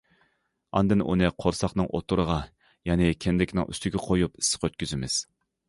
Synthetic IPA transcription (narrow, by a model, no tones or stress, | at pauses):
ɑ̰nd̪ɨnʔṵnɨqʰoɾsɑχnɨŋʔo̰t̪ʰuɾəʁɑ | jɛnɪkʲʰɛnd̪ɪkʲnɪŋy̰st̪ɪɡʲɛqʰojupi̥sːɨ̥qøt̪̚kʲyzɪmɪz̥